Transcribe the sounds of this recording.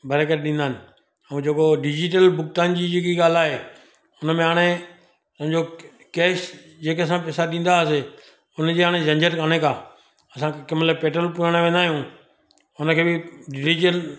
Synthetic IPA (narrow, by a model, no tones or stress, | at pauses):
bʱɐɾeːkəɾɗĩːnd̪aːɦɪnɪ̆ | ɛ̃d͡ʑeːkoɖɪd͡ʑɪʈ̬əlbʊk̚t̪aːnd͡ʑid͡ʑɪkiɠaːl̤aːɦeː | ʊnəmẽɦaːɽ̃e | t̪ɐɦɲd͡ʑo | keːs | d͡ʑeːkeɐsãpesaɗĩːn̆d̪aəse | ʊnd͡ʑeːaːɽ̃ezɐ̃ɲd͡ʑəɾkaːɽ̃ekaː | ɐsãkkɪmələpeːʈɾəlpʊɾaɽ̃eʋẽːn̆d̪aːɦijũ | ʊnəkʰeːbɪɖɪɪʈəl